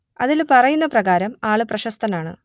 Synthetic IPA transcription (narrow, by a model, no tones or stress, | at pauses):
ɐðilpɐrɐjunːɐprɐɣaːɾɐmaːɭɨprɐɕɐst̪ʰɐnaːɳɨ̰